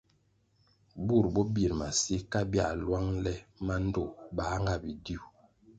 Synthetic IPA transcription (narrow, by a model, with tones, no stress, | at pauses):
bu˦˨ɾbɔ˦bi˨ɾma˨si˦ka˦bja̰˦˨lwa˦ŋlɛ˦ma˦n˦do˦˨baː˨˦ŋɡa˦˨bi˨di˦u˨